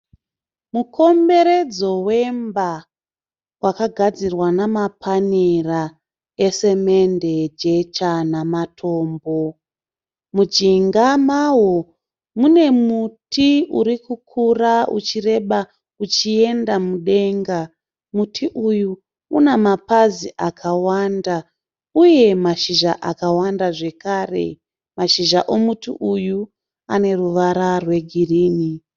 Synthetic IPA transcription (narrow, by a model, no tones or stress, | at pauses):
mukʰo̞mbe̞ɾe̞d͡zo̞we̞mba | wakaɡʱad͡zirwanamapʰanera | ese̞mende̞d͡ʒe̞t͡ʃanamatʰo̞ːmbo | mud͡ʒiŋɡamawo | mune̞mutʰiuɾikukʰuraṵt͡ʃire̞ɓa | ut͡ʃie̞ndamuɗe̞ŋɡa | mutʰiʔuju | unemapaziʔakʰawanda | uje̞maʃiʒaʔakawandaʐe̞kaːre̞̰ | maʃiʒaʔomutḭʔuju | ane̞ruʋaɾarwe̞ɡʱiriːni